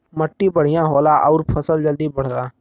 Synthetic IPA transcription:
məʈːiːbəɽ̤ɪjãːɦoːlãːʔɔːɾpʰəsəld͡ʒəld̪iːbəɽ̤dãː

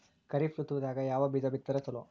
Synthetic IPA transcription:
kɐɾift͡ʃut̪ːuʋud̪aːɡɐjaːʋɐbid͡ʒɐbit̪ːɐɾɐsɐlo

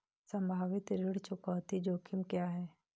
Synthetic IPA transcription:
sə̃mbʱaːʋɪt̪ɾɪɽt͡ʃʊkɔːt̪id͡ʒoːkʰɪmkjaɦɛː

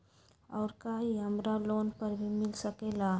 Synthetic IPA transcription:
ɔʊɾkaɦiɦəmɾaloːnpəɾbʱimɪlsəkela

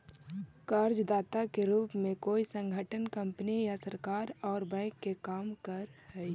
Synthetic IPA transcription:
kaːɾd͡ʒd̪aːt̪akeɾuːpmẽkoːisə̃ŋɡʱəʈənkɐ̃mpənijasɐɾkaːɾɔːɾbɛ̃ːkːekaːmkəɾhɛi

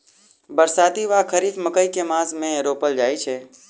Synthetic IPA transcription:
bəɾsaːd̪iʋakʰəɾiːfməkəikemãːsmẽɾoːpəld͡ʒaːit͡ʃʰeː

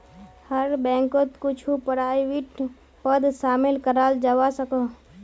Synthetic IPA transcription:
həɾbɛ̃ːŋkot̪kʊt͡ʃʰupəɾaːiwɪʈ | pəd̪ʃaːmɪlkəɾaːld͡ʒəwasəko

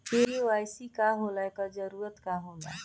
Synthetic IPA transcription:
keɾiʋajsikaɦolakəd͡ʒəɾuɾət̪kaɦond̪a̰

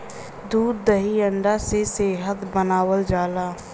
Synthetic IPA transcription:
d̪uːɾd̪əɦiəɳɖaseseːɦət̪bənaːwəld͡ʒaːlaː

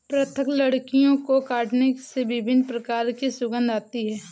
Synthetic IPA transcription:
pɾət̪ʰəkləɽkijõkokaːʈnesebɪbʱɪnpɾəkaːɾkisʊɡə̃nd̪ʱaːt̪iɦɛː

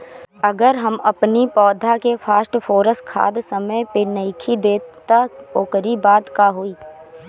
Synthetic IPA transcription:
ɐɡəɾɦɐmɐpnipɔːd̪ʱakefʰaːsʈfoːɾəskʰa̰ːd̪sɐməjpenəikʰid̪eːtt̪aoːkəɾibaːd̪kaɦoiː

